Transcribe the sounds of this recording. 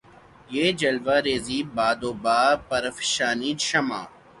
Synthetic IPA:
jeːd͡ʒɐlʋaɾeːziːbaːd̪oːbaːpɐɾəfʃaːniːʃɐma̰ː

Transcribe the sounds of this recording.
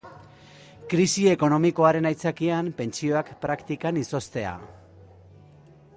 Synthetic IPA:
kɾisie̞ko̞no̞miko̞aɾe̞najt͡sakiampe̞nt͡sio̞akpɾakt̪ikaniso̞st̪e̞a̰

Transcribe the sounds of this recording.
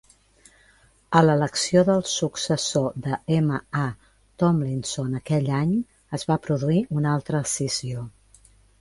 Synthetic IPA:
ələləksioðəlˠsuksəsod̪əeməa | t̪ɔmlinsonəkɛʎaɲ | əzβapɾuðuiunalˠt̪ɾəsizio

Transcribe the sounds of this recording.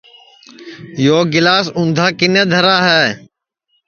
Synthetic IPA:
joːɡɪlaːsʊnd̪ʱaːkɪnẽːd̪ʱəɾaːɦɛː

